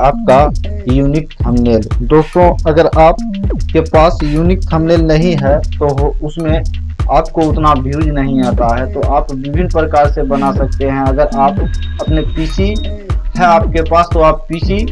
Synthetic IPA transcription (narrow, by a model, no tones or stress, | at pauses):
aːp̚kajuːnɪk̚t̪ʰəmneːld̪oːst̪õɐɡəɾaːp̚kepaːsjuːnɪk̚t̪ʰəmneːlnɐɦĩɦɛt̪oɦʊsmẽ | aːp̚koʊt̪nabʱjuːd͡ʒnəɦĩaːt̪aɦɛt̪oʔaːpʋɪbʱɪnpɾəkaːɾsebənasɐk̚t̪eɦɛ̃ɐɡəɾaːpɐpnepiːsi | hɛaːp̚kepaːst̪oaːpːiːsi